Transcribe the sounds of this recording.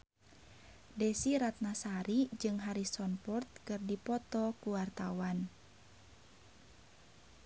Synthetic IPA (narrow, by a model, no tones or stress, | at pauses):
dɛsiɾat̪̚nasaɾid͡ʒɨŋɦaɾisɔnpɔrt̪̚kɨrdipɔt̪ɔkuwart̪awan